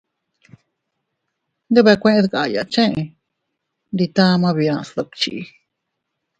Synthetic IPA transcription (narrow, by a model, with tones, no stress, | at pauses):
nd̪e˦βe˧kʷẽ˦ʔẽ˧˦ðka˧˨˧ja˨t͡ʃẽ˦ʔẽ˧ | nd̪i˧t̪ã˦˧mã˧βi˧ã˧slo˧kt͡ʃḭ˧ʔ